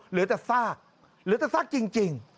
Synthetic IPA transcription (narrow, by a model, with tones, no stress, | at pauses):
lɨ˨˦ət̪a˧˩faː˦˥ | lɨ˧˨˥t̪a˧˩fa˦˥k̚t͡ɕi˧ŋt͡ɕi˨˩əŋ